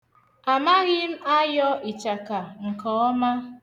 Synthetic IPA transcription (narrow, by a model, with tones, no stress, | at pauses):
a˨ma˦ɣɪ˦m̩˦a˦jɔ˦i˨t͡ʃa˨ka˨ŋ̩˨kɔ˨˦ɔ˦ma˦